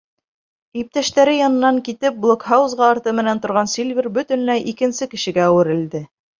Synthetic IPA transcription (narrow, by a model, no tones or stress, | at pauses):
ip̚t̪æʃt̪æɾɘjɑnɤ̆nːɑŋkit̪ɘp̚blˠokhɑwuzʁɑːɾt̪ɤmɘ̆nænt̪ŏɾʁɑnsilʲvʲirbɵ̆t̪ɵ̆nlæjʔikɘ̆nsɘkɘ̆ʃɘ̆ɡæːwɘ̆ɾɘ̆ld̪ɘ